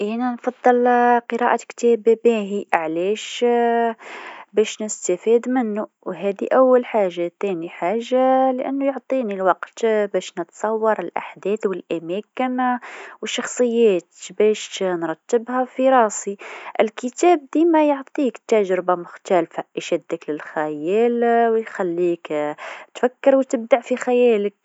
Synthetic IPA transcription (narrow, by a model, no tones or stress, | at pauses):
ʔinanfɑd̪ˤːɨlqəɾɑ̰ʔakt̪æːbbæɦiʔʕlæʃ | bæʃnɪst̪afiːd̪mɪnːu | wɦæd̪iʔæwːælħaːʒːat̪æniħaːʒːalʔæ̰nːujʊʕt̪ˤinilwɑqt̪bæːʃnət̪sˤɑwːɑɾˤəlʔa̰ħd̪ɛːθwəlʔamækɪnwəʃːɑxsˤɨjːæːt̪bæʃnɾˤɑt̪ːəbhafiɾˤɑːsˤiʔɪlkət̪æːb̚d̪imajoʕt̪ˤiːkt̪ːæʒɾɪbamʊxt̪ælfaʔʃæd̪ːəklɪlxæjæːlwjxælːiːkt̪fakːəɾwt̪əb̚d̪aʕfixæjæːlək̚